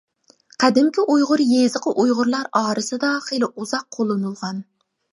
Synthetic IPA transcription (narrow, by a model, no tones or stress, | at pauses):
qʰɑd̪ɪmkʲɪʔʊjʁʊɾjezɨqɨʔʊjʁʊɾlˠaɾɒːɾɪsɪd̪ɒχelˠɪʊzɑq̚ʰːolˠːɪnɨlˠʁɑn